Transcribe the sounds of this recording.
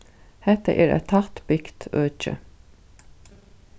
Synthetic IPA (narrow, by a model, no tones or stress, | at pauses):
hɛt̪ə̰ʔeːɾæ̰t̪ʰɑt̪bɪkt̪ʰøːt͡ʃə̰